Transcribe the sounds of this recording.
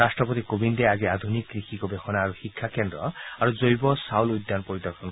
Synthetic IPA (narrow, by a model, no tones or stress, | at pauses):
asʈɾɔpɔt̪ikobind̪eaɡiad̪ʱunikːɾixikɔbexɔnaːɾuhikʰːakend̪ɾɔaɾud͡ʒojbɔsawlujd̪ːanpɔɾid̪ɔɾxʰɔn